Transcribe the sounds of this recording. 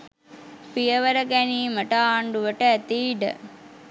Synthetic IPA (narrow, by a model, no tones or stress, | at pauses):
pijəʋəɾəɡæniːməʈaːɳɖuʋəʈəæt̪iːɖə̰